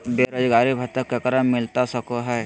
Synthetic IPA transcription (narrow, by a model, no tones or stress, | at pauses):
beɾəd͡ʒɡaːɾibʱɐt̪əkːekəɾəmɪlt̪asəkoɦɛː